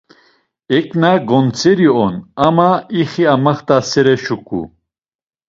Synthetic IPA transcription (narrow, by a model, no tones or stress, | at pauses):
ɛkʼnaɡɔnt͡sʰɛɾiɔnamaiχiamaχt̪asɛɾɛʃukʼṵ